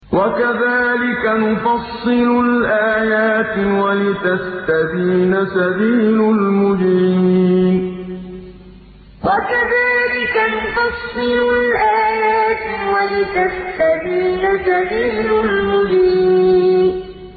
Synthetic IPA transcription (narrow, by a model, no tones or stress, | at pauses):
wakaðaːlɪkanʊfɑsːɨlʊlʔaːjaːt̪walɪt̪ast̪abiːnasabiːlʊlmʊbiiːn | wakaðaːlɪkanʊfɑsːɨlʊlʔaːjaːt̪walɪt̪ast̪abiːnasabiːlʊlmʊbiiːn